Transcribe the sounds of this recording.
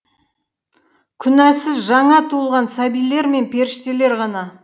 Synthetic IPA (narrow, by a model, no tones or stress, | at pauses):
kʲʰʏnæsɪzʒɑɴɑt̪ʰuəlˠʁɑnsæbijle̞ɾme̞npʰe̞ɾɪʃt̪e̞le̞ɾʁɑnɑ